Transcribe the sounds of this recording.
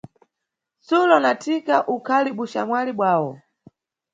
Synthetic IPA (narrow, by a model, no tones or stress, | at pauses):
sulɔnatʰikaʔukʰaliɓuʃamwaliɓwaːwɔ̰